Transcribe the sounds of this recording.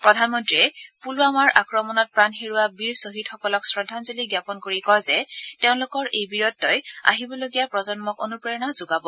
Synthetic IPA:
pɹɔdʱanmɔntɹiɛpuluamaɹʔakɹɔmɔnɔt̚pɹanxeɹuwabiɹsoɦitxɔkɔlɔksɹɔdʱːanzoliɡjapɔnkoɹikɔjzɛteʊ̃lʊkɔɹʔejbiɹɔtːɔja̰ɦibɔloɡijapɹɔzɔnmɔko̰nupɹajɔnazoɡabɔ

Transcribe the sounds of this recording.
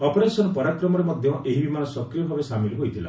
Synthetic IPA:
ɔpɔɾesɔnɔpɔɾakɾɔmɔɾemɔd̪ʱjɔʔeɦibimanɔsɔkɾijɔbʱabesamilɔɦojt̪ʰila̰

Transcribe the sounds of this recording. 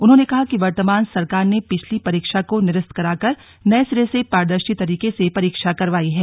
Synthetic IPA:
ʊnɦõːnekɐɦakiʋɐɾt̪əmaːnsɐɾkaːɾnepɪt͡ʃʰlipɐɾiːkʃakonɪɾəst̪̚kɐɾaːkɐɾ | nɐːsɪɾesepaːɾd̪əɾʃit̪ɐɾiːkesepɐɾiːkʃakɐɾʋaːiɦɛː

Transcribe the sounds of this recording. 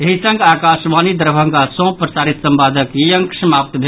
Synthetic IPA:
eɦisə̃ŋɡakasʋanid̪əɾbʱə̃ŋɡasɔ̃pɾəsaɾit̪səmbad̪ʱəkijəŋksmap̚t̪bʱe

